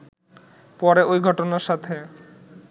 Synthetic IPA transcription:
pɔɾeʔojɡʱɔʈonaɾʃat̪ʰe

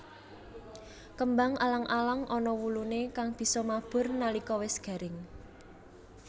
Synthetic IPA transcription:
kəmbaŋalaŋʔalaŋʔɔnɔwulunekaŋb̥i̤sɔmab̥ʊ̤rnalikɔwɪsɡ̥ä̤ɾɪŋ

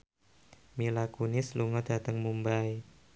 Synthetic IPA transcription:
milakunɪsluŋɔd̥ä̤t̪əŋmumbaj

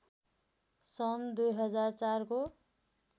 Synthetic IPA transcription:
sʌnd̪ujɦʌd͡zart͡sarko

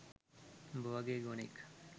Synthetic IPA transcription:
boʋɐɡeɡonḭk

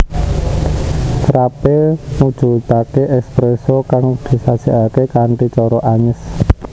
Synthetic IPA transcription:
sɾapemud̥ʒ̥ṳt̪akeʔɛspɾesɔkaŋd̪̥i̤sḁt͡ʃiʔakekaɳʈit͡ʃɔɾɔʔaɲəs

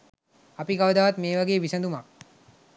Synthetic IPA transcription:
ɐpikaʋɐd̪aʋat̪meːʋaɡeːʋisɐnd̪umak

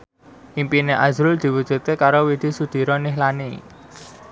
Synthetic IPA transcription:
ʔimpineʔazɾʊld̪̥i̤wudd͡ʒ̥ṳt̪̚kekaɾowid̪̥i̤sud̪̥i̤ɾɔniɦlani

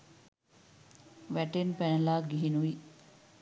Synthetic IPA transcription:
ʋæʈenpænəlaːɡiɦinuʋi

